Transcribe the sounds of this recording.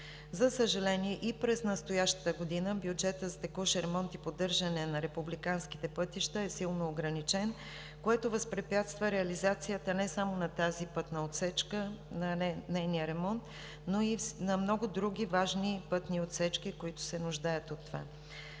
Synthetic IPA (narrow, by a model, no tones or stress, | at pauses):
zɐsəʒɐlɛniɛʔipɾɛsnɐst̪ojaʃt̪ə̥t̪əɡod̪inəbjud͡ʒɛt̪əzɐt̪ɛkɔʃɾɛmɔnt̪ipod̪ɤɾʒɐnɛnɐɾɛpublikansk̟i̥t̪ɛpɤt̪iʃt̪əɛsilˠnoːɡɾɐnit͡ʃɛn | koɛt̪ovɐspɾɛpʲjat̪st̪vəɾɛɐlizat̪sijət̪ənɛsamonɐt̪azipɤt̪nəot̪sɛt͡ʃkənɐnɛjnijəɾɛmɔnt̪ | noinɐmnɔɡʊd̪ɾuɡʲivaʒnipɤt̪niot̪sɛt͡ʃk̟ikoit̪ʊ̥sɛnʊʒd̪ajət̪ot̪ːova̰